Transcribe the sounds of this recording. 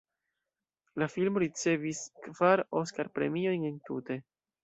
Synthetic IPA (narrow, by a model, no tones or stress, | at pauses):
lafilmoɾit͡se̞viskv̥aɾoskaɾpɾe̞mio̞jne̞ntṵte̞